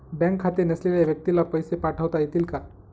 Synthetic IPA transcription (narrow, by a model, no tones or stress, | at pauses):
bɛ̃ŋkʰːat̪iɾnəsleljaʋjək̚t̪ilapəjsepaʈʰəʋt̪ait̪iːlka